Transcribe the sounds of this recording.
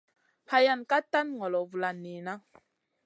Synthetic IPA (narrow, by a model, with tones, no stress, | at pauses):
pa˦ja˦˨nka˦ta˦nŋɔ˨lɔ˨vu˨la˨ni˨na˦